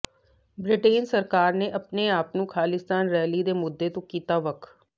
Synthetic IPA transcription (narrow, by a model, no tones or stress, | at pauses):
bɾɪʈeːnsəɾkaːɾneːʔəpneːaːpnũːkʰaːlɪst̪aːnɾɛːliːd̪eːmʊd̪ːeːt̪õːkiːt̪aːʋəkʰ